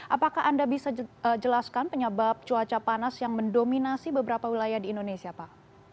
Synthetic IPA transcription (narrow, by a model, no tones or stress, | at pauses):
ʔapakaɦʔandabisad͡ʒəlaskanpəɲəbap̚t͡ʃuat͡ʃapanasjaŋməndominasibəbəɾapawilajahdiːndonesiapa